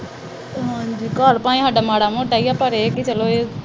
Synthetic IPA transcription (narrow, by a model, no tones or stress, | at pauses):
ɦãːɲd͡ʒiːkəɾpaːĩːɦaɖaːmaːɽaːmoːʈaːijaːpəɾekit͡ʃəloːeː